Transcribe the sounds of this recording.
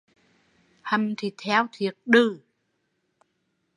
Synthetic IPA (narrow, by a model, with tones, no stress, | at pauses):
hə˨˩mt̪ʰi˨˩t̪ʰɛ˧wt̪ʰi˨˩ək̚ɗɨ˧˨˩